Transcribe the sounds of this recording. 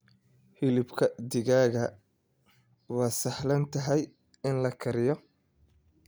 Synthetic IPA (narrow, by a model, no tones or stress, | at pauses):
hɪlɪbkʰɐd̪ɪɣaːɣɐ | wɑːsɐħlɐnt̪ʰɐɦɛj | ɪnlɐkʰɐɾɪjɔ